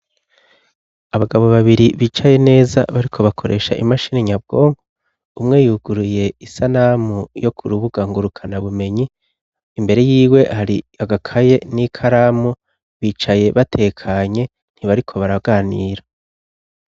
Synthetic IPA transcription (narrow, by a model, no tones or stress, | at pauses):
aβaɡaβo̞βaβiɾiβiːt͡ʃaje̞ne̞ːza̰βaɾikʰo̞βakʰo̞ɾe̞̰ːʃaʔimaʃiːneɲab̚ɡo̞ːŋɡo | umŋe̞juːɡuɾuje̞isanamujo̞kʰuɾuβuɡaŋɡuɾukʰanaβume̞ɲiː | mbe̞ɾe̞jiːwe̞haɾiaɡakʰaje̞nikʰaɾaːmu | βiːt͡ʃaje̞βatʰe̞ːkʰaɲe̞ | n̥hiβaɾikʰo̞βaɾaɡaːniːɾa